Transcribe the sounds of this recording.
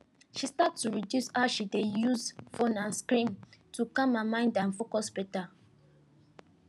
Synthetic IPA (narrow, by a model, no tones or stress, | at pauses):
ʃistatːuɹidjushaʃidejuzfõnãnskɹĩntukãmamãɪ̃ndãnfokɔsbɛta